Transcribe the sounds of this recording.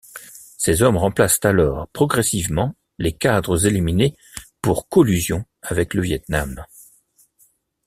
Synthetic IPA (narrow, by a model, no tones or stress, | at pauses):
sezɔmʁɑ̃plast̪alɔːʁpχɔɡʁɛsivmɑ̃ | lekad̪ʁəzelimine | puʁkɔlyzjɔ̃ | avɛkləvjɛt̪nam